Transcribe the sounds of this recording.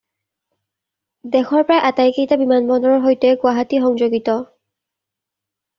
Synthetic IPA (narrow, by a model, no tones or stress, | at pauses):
dɛxɔɹpɹajʔatajkejtabimanbɔndɔɹɔɹɦojtɛɡʊaɦatixɔŋzoɡitɔ